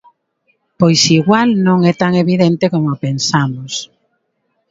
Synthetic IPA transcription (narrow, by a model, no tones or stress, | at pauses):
pojsiɣwalnõŋɛt̪aŋeβiðent̪ekomopensamʊs